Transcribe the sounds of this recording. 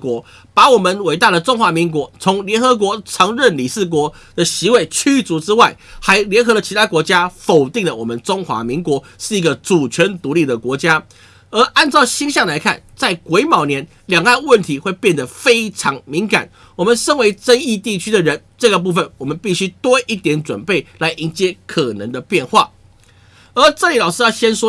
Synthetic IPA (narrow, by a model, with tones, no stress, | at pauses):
kwɔ˧˥ | pa˧˥wɔ˨˩mə˨nwe˨˩ɪt̪a˥˩ɾə˩ʈ͡ʂʊ˥ŋxwa˧˥mi˧˥ŋkwɔ˧˥t͡sʰʊ˧˥ŋljɛ˧˥nxɤ˧˥k̬wɔ˧˥t͡sʰɤ˧˥ŋɻə˥˩nli˨˩ʂɹ̩˥˩k̬wɔ˧˥ | d̪̥ə˨ɕi˧˥we˥˩ɪt͡ɕʰy˥t͡su˧˥ʈ͡ʂɻ̩˥wa˥˩ɪxa˧˥ɪljɛ˧˥nxɤ˧˥d̪ə˨t͡ɕʰi˧˥t̪ʰa˥kwɔ˧˥t͡ɕja˥fo˨˩ʊt̪i˥˩ŋlə˩wɔ̰˨˩mə˦nʈ͡ʂʊ˥ŋxwa̰˧˥mi˧˥ŋkwɔ˧˥ | ʂɻ̩˥˩i˧˥ɡə˧ʈ͡ʂu˨˩t͡ɕʰɥɛ˧˥nt̪u˧˥li˥˩d̪ə˩kwɔ˧˥t͡ɕja˥ | ə˧˥ʔa˥˧nt͡sɑ˥˩ʊɕi˥nɕjɑ˥˩ŋla˧˥ɪkʰa̰˥˩nt͡sa˥˩ɪkwe˧˥ɪmɑ˨˩ʊnjɛ˧˦n | ljɑ˨˩ŋa˥˨˧nwə˥˩nt̪ʰi˧˥xwe˥˧ɪpjɛ˥˩nd̪ə˩fe˥ɪʈ͡ʂʰɑ˧˥ŋmi˧˥ŋka̰˨˩˦n | wɔ˨˩mə˨˦nʂə˥nwe˧˥ɪʈ͡ʂə˦ni˥˧t̪i˥˩t͡ɕʰy˥d̪ə˨ɻə˧˦nʈ͡ʂɤ˥˩ɡə˩p̬u˥˩fə˨˩nwɔ˨˩mə˦npi˥˩ɕy˥t̪wɔ˦˥ʔi˥˩t̪jɛ˧˥nt͡swə̰˨˩npe˥˩ɪla˨˧˥ɪʔi˧˥nt͡ɕjɛ˥kʰɤ˨˩nə̰˧˦ŋd̪ə˧pjɛ˥˧nxwa̰˥˩ | ə˞˧˥ʈ͡ʂə˥˧˨li˨˩lɑ˨˩ʊʂɻ̩˥˧jɑ˥˧˩ɕjɛ˥nswɔ˥